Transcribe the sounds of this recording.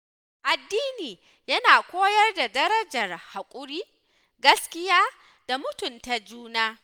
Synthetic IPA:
ʔa˨dːiː˦niː˨ | jɐ˦naː˨kʷoː˦jɐ˦rda˨dɐ˦ɾɐ˦d͡ʒɐ˨rha˨kʷʼʊ˦ɾiː˦ | ɡɐ˦skʲɪ˦jaː˦ | d̥a˨mʊ˦tʊ˨nta˨d͡ʒuː˦naː˦

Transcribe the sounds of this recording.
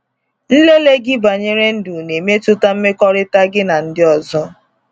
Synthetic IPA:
n̩˦le˦le˦ɡɪ˦ba˨ɲe˦ɾe˦n̩˦du˨ne˨me˦tʊ˦ta˦m̩˦me˦kɔ˦ɾɪ˦ta˦ɡɪ˦na˨n̩˦dɪ˦ɔ˨zɔ˦

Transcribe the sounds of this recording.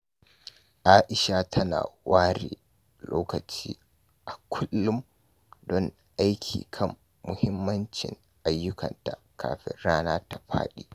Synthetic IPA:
ʔaː˦ʔɪ˨ʃa˨tʰɐ˦na̰ː˨waː˦ɾeː˨ | loː˦kɐ˨t͡ʃiː˦ | ʔa˨kʷʰʊ˦lːʊ˦m | dɔ˦ŋ | ʔa˦jkʲʰiː˨kʰɐ˦mː | ʊ˨hɪ˦mːɐ˦nt͡ʃɪ̰˨ŋ | ʔa˨jːʊ˦kʰɐ̰˨nta˨kʰa̰ː˨ɸɪ̰˦ɽaː˦naː˦ta˨ɸa̰ː˦ɗiː˦

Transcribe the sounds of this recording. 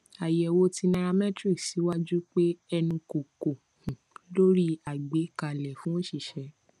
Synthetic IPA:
a˨jɛ˨wo˧˦ti˧nã˧ɾa˧mɛ̃˦tɾi˦˨ksi˨˦wa˦d͡ʒu˦k͡pe˦ɛ˧nũ˧ko˨ko˨ | hũ˨lo˦ɾi˦a˨ɡ͡be˨˦ka˨lɛ˨fũ˨˦õ˦ʃi˦˨ʃɛ˨˧˦

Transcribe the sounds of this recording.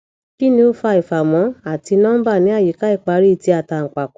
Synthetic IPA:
ki˦nĩ˧o˧fa˧i˨fa˨mɔ̃˨˦a˦˨ti˧nã˦ba˦˨nĩ˨˦a˦˨ji˨˦ka˨˦i˦˨k͡pa˧˦ɾi˦˨ti˧a˨ta˧˨ŋ̩˨k͡pa˨k

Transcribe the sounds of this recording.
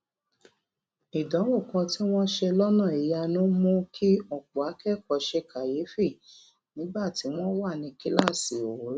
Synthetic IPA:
i˨dã˨˦wo˦˨kã˧ti˦w̃ɔ̃˦ʃe˧lɔ˦nã˦˨i˨ja˧nũ˦mũ˦kʰi˦ɔ˦˨k͡pu˨a˨˦kɛ˦˨kɔ˨˦ʃe˧ka˨je˨˦fi˦˨ | nĩ˨˦ɡ͡ba˦˨ti˨˦w̃ɔ̃˦wa˦˨nĩ˧ki˦la˦˨si˨o˨˦ɾ

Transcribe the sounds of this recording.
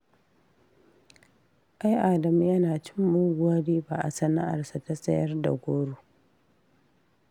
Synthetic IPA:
ʔa˦jʔaː˨dɐ˨m˦jɐ˦naː˨t͡ʃɪ˦mːʊ˦ɡʷaː˦ɽiː˦ba˨ʔa̰˨sɐ˦na̰˦ʔa̰˨rsa˨ta˦sʼɐ˦jɐ˦rda̰˨ɡʷoː˦ɽuː˦

